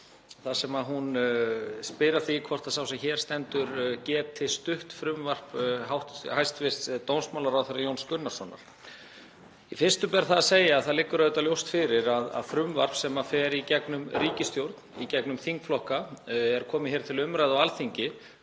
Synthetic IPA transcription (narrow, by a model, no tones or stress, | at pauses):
θasɛmaðɦun | spɪɾaɾ̥θikʰɔr̥t̪asawsɛmçɛːɾ̥st̪ɛnt̪ʏɾcɛːt̪ʰːɪlst̪ʏht̪fɾʏmvar̥pɦawht̪hajst̪vɪr̥t̪t̪ownsmawlaɾawθɛɾajownskʏnːaɾ̥sɔnːa̰ɾ̥ | ifɪr̥st̪ʏpɛɾθaðaseːjaːðθaðlɪkːʏɾaðʏt̪aljowst̪fɪɾɪɾaða̰ðfɾʏmvar̥psɛmafɛːɾicɛknʏmɾiːcɪst̪jowɾt̪n̥icɛknʏmθiŋkflɔhkaɛɾkʰɔːmɪçɛːɾ̥t̪ʰɪlʏmɾajðawalθiɲcɪ